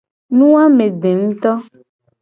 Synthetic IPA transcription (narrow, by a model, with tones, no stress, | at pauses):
nũ˦a˦mẽ˨ɖe˨ŋ̩˦t̪ɔ˦